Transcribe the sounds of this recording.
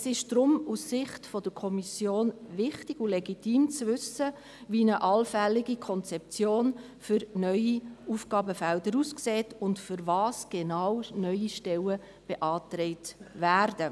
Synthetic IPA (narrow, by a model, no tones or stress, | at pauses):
sɪʃd̥ɾʊmussɪχtfɔd̥əɾkʰɔmisjoːnvɪχtɪɡulɛɡitiːmt͡svʏsə | ʋiːnəʔɑlfɛlːɪɡikʰɔnt͡sɛp̚t͡sjoːn | fʏɾnœʏiufɡɑːbəfældəɾuskseːtʊndfʏɾvɑːsɡ̥enɑwnœʏiʃtɛwə | b̥eʔɑːtɾɛɪtvæːɾdə